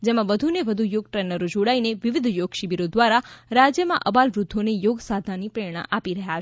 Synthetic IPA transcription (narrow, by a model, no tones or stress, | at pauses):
d͡ʒemãʋəd̪ʱuneʋəd̪ʱujoɡ̚ʈɾenəɾod͡ʒoɽaineʋɪʋɪd̪ʱjoɡʃibiɾod̪ʋaɾaɾad͡ʒjəmã̰ʔəbalʋɾʊd̪ʱːonejoɡsad̪ʱanipɾeɽ̃ã̰ʔapiɾəɦjat͡ʃʰ